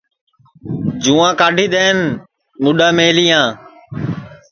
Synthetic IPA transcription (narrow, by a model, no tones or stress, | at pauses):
d͡ʒũːãːkaːɖʱiːɗ̪eːn | mʊɗaːmeːliːãː